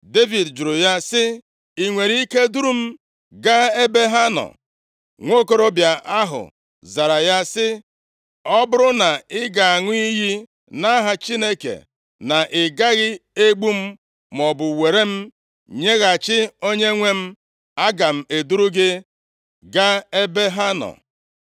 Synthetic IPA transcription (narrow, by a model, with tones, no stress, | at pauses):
de˦vi˨dd͡ʒʊ˨ɾʊ˨ja˦sɪ˦ | i˨ŋʷe˨ɾi˦i˦ke˦du˦ɾu˦m̩˦ | ɡa˦e˦be˦ɦa˦nɔ̰˨ | ŋʷo˦ko˦ɾo˦bja˨ʔa˦ɦʊ̰˨ | za˨ɾa˨ja˦sɪ˦ | ɔ˦bʊ˦ɾʊ˦na˨ɪ˦ɡa˨a˨ŋʷʊ˦i˦ɦi˦ | na˦ɦa˨t͡ʃi˦ne˦kḛ˨ | na˨ʔɪ˨ɡa˦ɣɪ˦e˦ɡ͡bu˦m̩˦ | mɔ˨bʊ˨we˨ɾe˦m̩˦ | ɲe˦ɣa˨t͡ʃɪ˦o˦ɲe˦ŋʷe˦m̩˦ | a˦ɡa˨m̩˦˨e˨du˦ɾu˦ɡɪ˦ | ɡa˦e˦be˦ɦa˦nɔ̰˨